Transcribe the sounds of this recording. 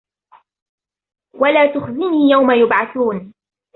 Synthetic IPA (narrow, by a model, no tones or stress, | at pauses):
walaːt̪ʊxzɪniːjawmajʊbʕaθuːn